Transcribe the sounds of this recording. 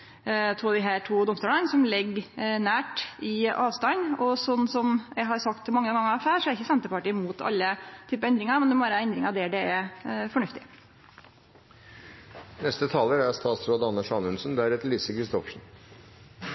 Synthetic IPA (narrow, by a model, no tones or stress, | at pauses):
t̪ʰuːd̪iːɦæːʈʰuːd̪ɔmst̪uːlənsɔmlɪɡnæːʈɪɑːʋst̪ɑnɔsɔnːsɔmjæɦɑɾsɑkt̪sɔmɑŋːəɡɑŋːəɾɑfæːʂɔɛæɾɪçːəsɛnt̪əpɑʈiːmuːt̪ʰɑ̰lːət̪ʰyːpəɛnd̪ɾɪŋɑmɛnd̪ɛmɔbɑːɾəæɛnd̪ɾɪŋɑʋd̪ɛɖ̪ɛɛfɔɳʉft̪ɪ | nɛst̪ət̪ʰɑːləɾæɾst̪ɑːt̪sɾoːd̪əɑnːəʂɑnʉnsənd̪æɾɛt̪liːsəkʰɾɪst̪ɔfʂn̩